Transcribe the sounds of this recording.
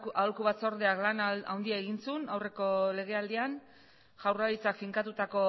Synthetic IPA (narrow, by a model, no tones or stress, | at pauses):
alkuβat͡so̞ɾðeaklana̰wnd̪iaeɣinsunawre̞ko̞le̞ɣe̞ald̪ian | ʝawralit͡sakfiŋkat̪ut̪ako̞